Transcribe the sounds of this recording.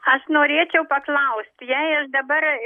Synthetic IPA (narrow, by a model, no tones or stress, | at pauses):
ɐʃnoːɾʲeːt͡ʃʲɛʊpɐklˠɐʊst̪ʲjɛɪɐʃd̪ɐbɐr